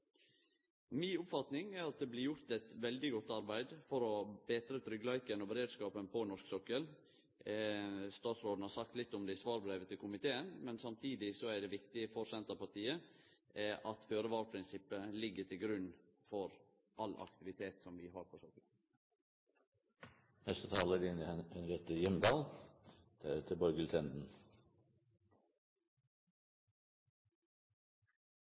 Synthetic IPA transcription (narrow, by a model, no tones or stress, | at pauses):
miːʊpfɑt̪nɪŋæɾɑt̪̚d̪ɛblɪɾjʊɾt̪ɛt̪ʋɛld̪ɪɡɔt̪ːɑɾbæɪd̪fɔɾɔbɛːt̪ɾət̪ʰɾʏɡlɑɪkənɔbəɾeːd̪skɑːpənpʰɔnɔʂksɔkəl | st̪ɑːt̪sɾoːd̪n̩hɑɾsɑkt̪lɪt̪ːɔmd̪ɛsʋɑːɾbɾeːʋət̪ʰɪlkʰʊmɪt̪ʰeːənmɛnsɑmt̪ʰiːd̪ɪsɔæɖɛʋɪkt̪ɪfɔɾsɛnt̪əpɑʈʰiːəʔɛʔɑt̪føːɾəʋɑːɾpʰɾɪnsɪpːəlɪɡːəʈʰɪlɡɾʉnfɔɾ | ʔɑlʔɑ̰kt̪ɪʋɪt̪ʰeːt̪sɔmʋɪɦɑːɾfɔsɔk | nɛst̪ət̪ʰɑːləɾɪnəɛnɾɛt̪əjɛmd̪ɑːld̪̥æɾʉt̪ʰəbɔɾɡəlt̪ʰɛnd̪n̩